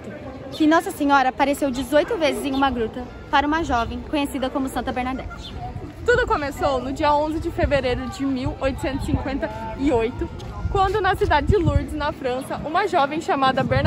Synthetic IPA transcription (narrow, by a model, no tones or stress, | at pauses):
kɪnɔsɐsẽɲɔɾɐpaɾesewd͡ʒɪzojt̪ʊvezɪzẽj̃ũmɐɡɾut̪ɐ | paɾɐũmɐʒɔvẽj̃kõɲesid̪ɐkõmʊsɐ̃nt̪ɐbeɾnad̪ɛt͡ʃ | t̪ud̪ʊkõmesownʊd͡ʒiɐõzɪd͡ʒɪfeveɾejɾʊd͡ʒɪmiwojt̪ʊ̥sẽnt̪ʊ̥sĩkwẽnt̪ɐɪojt̪ʊ | kwɐ̃nd̪ʊnɐsid̪ad͡ʒɪd͡ʒɪluɾd͡ʒɪznɐfɾɐ̃sɐʔũmɐʒɔvẽj̃ʃamad̪ɐbeɾn